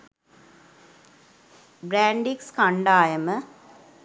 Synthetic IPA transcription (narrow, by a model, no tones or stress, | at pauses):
bɾaːɳɖikskaɳɖaːjəmə